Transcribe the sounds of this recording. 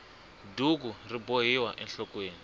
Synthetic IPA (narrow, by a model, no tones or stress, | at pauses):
duɡuriboɦiwaʔɛnɬɔkweːni